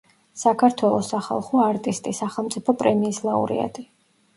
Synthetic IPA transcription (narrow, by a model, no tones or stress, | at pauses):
sakʰaɾt̪ʰwɛlˠɔsaχa̰lˠχɔaɾt̪ʼist̪ʼisaχɛlˠmt̪sʼipʰɔpʼɾɛmiːslˠaṵɾḭa̰t̪ʼi